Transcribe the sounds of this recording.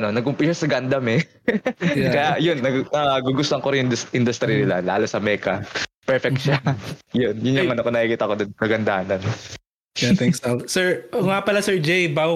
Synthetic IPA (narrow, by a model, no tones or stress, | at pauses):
ɐnonɐɡkʊmpiʃɛsɐɡand̪ɐmɛ | kɐjaʔjʊnːɐɡnɐɡuɡʊst̪oɐŋkoɾɪnjd̪ɪnd̪ʊst̪ɾinɪla̰la̰ːlosɐmɛːkɐpɛɹfɛk̚t̪ʃajonjʊnjʊŋɐnokonɐʔikɪt̪ɐkod̪onkɐɡɐnd̪a̰ːnɐn | t̪ɛkssɛɹŋapɐlasɛɹd͡ʒejbaɡ